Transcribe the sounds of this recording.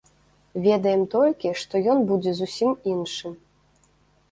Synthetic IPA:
vʲɛd̪ɐjɛmt̪ɔlʲkʲiʂt̪ɔjɔnbud͡zʲɛzusʲiminʂɨm

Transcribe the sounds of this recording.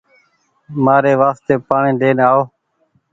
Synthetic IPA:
maːɾeːʋaːst̪eːpaːɳẽːɖeːnaːoː

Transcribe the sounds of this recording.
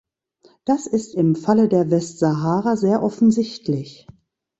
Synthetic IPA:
d̥asɪstɪmfalədeːɐvɛstz̥aɦaːʁazeːɐʔɔfn̩zɪçtlɪç

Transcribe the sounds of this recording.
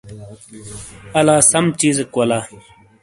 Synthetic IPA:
ɐlaːsɐmt͡ɕiːzkwɐlaː

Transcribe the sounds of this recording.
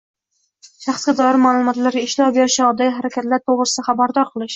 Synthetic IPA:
ʃɑχsɡʲad̪ɒjɪɾmaːlˠʊmɒt̪laɾɡʲaɪʃlɒbeɾɪʃaɒd̪ajaɦaɾakʲʰat̪laɾt̪ʰoʁɾɨsɪd̪aχabaɾd̪ɒɾqʰɨlˠɪʃ

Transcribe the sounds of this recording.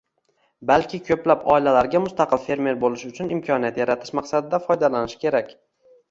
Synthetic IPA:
balkʲʰɪkʲʰɵplapɒ̰ɪlalaɾɡʲamʊst̪ɑqʰɨlˠfe̞ɾme̞ɾbolɪʃʊt͡ʃʰʊnɪmkʲʰɒnijat̪jaɾat̪ʰɪ̥ʃmɑqsad̪ɪd̪afɒjd̪alanɪʃkʲʰe̞ɾakʲ

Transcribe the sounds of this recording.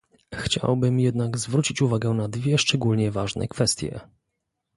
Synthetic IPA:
xt͡ɕa̰wbɘmjɛd̪naɡzvɾut͡ɕit͡ɕuvaɡɛnad̪vʲjɛʂt͡ʂɛɡulɲɛvaʐnʔɛ̰kfɛst̪ʲjɛ̰

